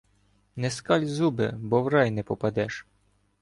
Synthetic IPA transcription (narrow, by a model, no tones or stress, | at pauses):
nɛskɑlʲzubɪ̰bɔwɾɑjnɛpɔpɐd̪ɛʃ